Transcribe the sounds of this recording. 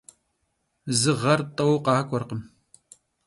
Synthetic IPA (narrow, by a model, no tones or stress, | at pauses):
zɨʁɐrtʼɐwqɑːkʷʰʼɔrqəm